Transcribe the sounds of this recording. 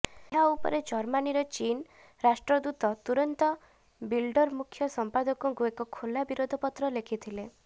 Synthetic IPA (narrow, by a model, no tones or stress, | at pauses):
ɦaupɔ̰ɾed͡ʒɔɾmaniɾɔt͡ʃin | ɾasʈɾɔd̪ut̪ɔt̪uɾɔnt̪ɔ | bilɖɔɾmukʰːjɔsɔmpad̪ɔkɔkuekɔkʰolabiɾod̪ʱɔpɔt̪ɾɔlekʰit̪ʰile